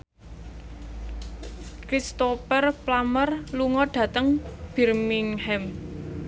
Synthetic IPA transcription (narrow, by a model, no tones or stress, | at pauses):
kɾist̪opərplamərluŋɔɖ̥ä̤t̪əŋb̥ɛ̤rmiŋhɛm